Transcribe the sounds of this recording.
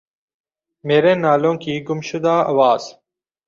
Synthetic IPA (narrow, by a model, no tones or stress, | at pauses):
meːɾẽːnaːlõːkiːɡʊmʃʊd̪aːɐ̰ʋaːz̥